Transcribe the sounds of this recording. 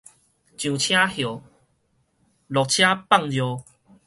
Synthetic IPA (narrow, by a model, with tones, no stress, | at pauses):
t͡ɕjũ˨t͡ɕʰjã˦hjo˨˩ | lɔ˨k̚t͡ɕʰjã˦pa˥˧˨ŋjjo˨